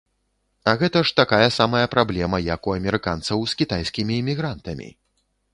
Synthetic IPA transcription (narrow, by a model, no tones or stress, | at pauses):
ɐɣɛt̪ɐʂt̪akajɐsamɐjɐpɾablʲɛmɐjɐkuɐmʲɛɾɨkant̪sɐwskʲit̪ajsʲkʲimʲiːmʲiɣɾant̪ɐmʲḭ